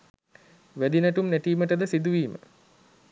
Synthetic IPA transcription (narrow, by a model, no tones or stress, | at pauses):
ʋæd̪inəʈumnæʈiːməʈəd̪əsid̪uʋiːmə̰